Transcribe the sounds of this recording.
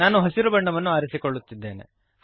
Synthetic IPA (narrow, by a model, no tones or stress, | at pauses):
aːnuɦɐsiɾubɐɳɖɐʋɐnːuaːɾisikoɭːut̪ːid̪ːe̞ːnḛ